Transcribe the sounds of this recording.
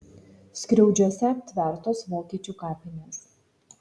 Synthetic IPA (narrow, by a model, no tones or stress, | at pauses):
sʲkɾʲɛʊd͡ʒʲuɔsʲɛt̪ʲʋʲæˑɾt̪oːsʋoːkʲiɛt͡ʃʲuːkɑːpʲɪnʲeːs